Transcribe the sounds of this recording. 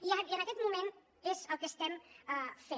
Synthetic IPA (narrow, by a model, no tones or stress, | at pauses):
iaiənəkɛt̪mumẽn | ezəlˠkəst̪ɛməfe